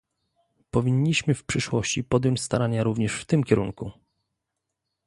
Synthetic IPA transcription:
pɔvʲiɲːiɕmɘfpʂɘʂwɔɕt͡ɕipɔd̪ʲjɔ̃ɲt͡ɕst̪aɾaɲaɾuvɲɛʂft̪ɘmkʲɛɾṵŋku

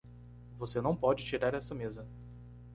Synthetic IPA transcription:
vosenɐ̃w̃pɔd͡ʒɪt͡ʃiɾaɾɛsɐmezɐ

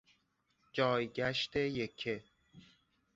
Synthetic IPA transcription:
d͡ʒɒːjɟæʃt̪ʰe̞jekʰe

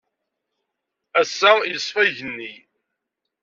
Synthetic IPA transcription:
æsːajəsˤfæʝənːi

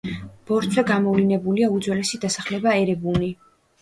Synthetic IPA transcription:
b̥ɔɾt̪sʰwɛɡamɔvlinɛbuliaud̪zwɛlɛsid̪asaχlɛbaɛɾɛbuni

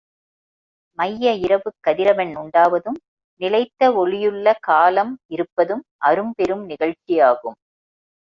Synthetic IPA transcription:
mɐjːɐɪɾɐʋɯkːɐðɪɾɐʋɐnʊɳɖaːʋɐðɯm | nɪlɐɪt̪ːɐɔɭɪjɯɭːɐkaːlɐmɪɾɯpːɐðɯmʔɐɾɯmpɛɾɯmnɪɣɐɻt͡ʃɪjaːɣɯm

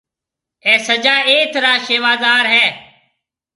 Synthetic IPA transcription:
ɛ̃ːsəd͡ʒaːeːt̪ɾaːʃeːʋaːzaːɾɦɛː

